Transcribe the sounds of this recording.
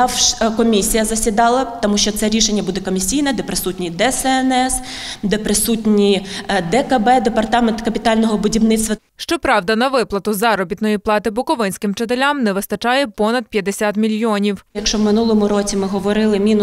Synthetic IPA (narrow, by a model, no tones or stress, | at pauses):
ɑwʃkɔmʲisʲijɐzɐsʲid̪ɑlˠɐt̪ɔmuʃt͡ʃɔt̪sɛɾʲiʃenʲːɐbud̪ɛkɔmʲisʲijnɛd̪ɛpɾɪsutʲnʲid̪ɛsɛɛnɛs | d̪ɛpɾɪsutʲnʲid̪ɛkɐbɛd̪epɐrt̪ɑment̪kɐpʲit̪ɑlʲnɔɦɔbʊdʲiwnɪt̪st̪ʋɐ | ʃt͡ʃɔpɾɑwd̪ɐnɐʋɪplˠɐt̪ʊzɑɾɔbʲit̪nɔjiplˠɑt̪ɪbʊkɔʋɪnʲsʲkɪmt͡ʃɪt̪̬elʲamnɛʋɪst̪ɐt͡ʃɑjɛpɔnɐd̪̚pʲjɐd̪esʲat̪mʲilʲjɔnʲiwjɐkʃt͡ʃɔwmɪnulˠɔmʊɾɔt͡sʲimɪɦɔʋɔɾɪlˠɪmʲin